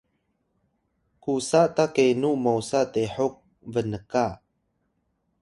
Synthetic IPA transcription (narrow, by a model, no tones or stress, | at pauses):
kusaʔtakenumowsateħuk̚ | vənəka